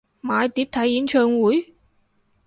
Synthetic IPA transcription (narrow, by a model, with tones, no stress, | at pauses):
maː˨˧jt̪i˨˥p̚t̪ʰɐ˨˥ji˨˥nt͡ɕʰœː˧ŋwu˨˥j